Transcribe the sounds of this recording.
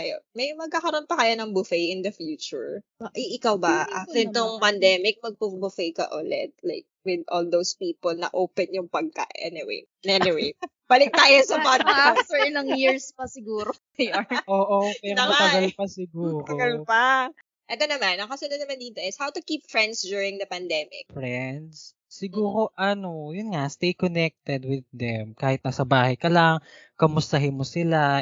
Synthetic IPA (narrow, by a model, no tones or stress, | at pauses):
ɐjomɐjmɐɡ̚kaːkɐɾonpɐkɐjanɐŋbʊfɛjʔɪnd̪ɐfjuːt͡ʃʊɹɐʔiʔɪkawbɐʔad̪ɪnt̪oŋpɐnd̪ɛmɪk̚mɐɡ̚pubʊfejkɐ̰ʔʊlɛ̰t̪̚laɪkwɪd̪ʔold̪owspiːpolnɐ̰ʔoːpɛnjʊŋpɐɡ̚ka̰ʔʔɛ̰nɪwḛj | ɐɛnɪwej | b̥ɐlɪk̚t̪aːjosɐpaasɛɹɪlɐŋjiɹspɐsɪɡuːɾokɐjonʔoːʔopɛnɐɐɡɐlpɐsɪɡuːɾt̪ɐoɡɐlpɐ | ʔɛt̪onɐmanɐŋkɐsɐnd̪ɐnɐmɐnd̪iːt̪o̞ʔɪshawt̪ʊkiːp̚fɹɛ̃nd̪sdd͡ʒ̪juːɹɪŋd̪ɐpɐnd̪ɛmɪ̰k̚fɹɛnd̪sː | ɪɡuːɾo̞ʔɐnojʊnŋast̪ejkonɛk̚t̪ɛd̪wɪðːɛmkaːhɪt̪̚nɐsɐbaːhɐjkɐlɐŋkɐmʊst̪ɐɦɪnmosɪla